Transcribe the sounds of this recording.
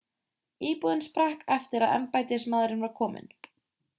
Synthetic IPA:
iːpuðɪnspɾahkɛft̪ɪɾaðɛ̰mpajt̪ɪsmaðɾɪnvaɾkʰɔːmɪ̰n

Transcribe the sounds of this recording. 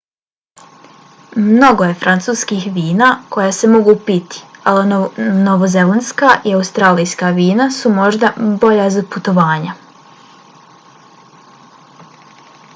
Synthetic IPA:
mno̞ɡo̞je̞fɾant̪suːskixʋiːnaːko̞jase̞mo̞ɡupit̪i̥alinoʋozelenskaʔiauwst̪ɾaːlijskaʋiːnasumo̞ʒd̪abo̞ʎazaput̪o̞ʋaːɲa

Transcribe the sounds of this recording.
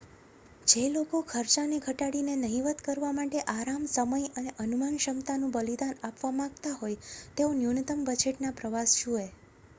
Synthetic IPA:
d͡ʒelokokʰəɾt͡ʃaneɡʱəʈaɽinenəɦiʋət̪kəɾʋamaʈeʔaɾamsəməjəneʔənumanʃəmt̪anũbəlid̪anapʋamãɡt̪aɦojt̪eonjunət̪əmbəd͡ʒeʈnapɾəʋasʃũe

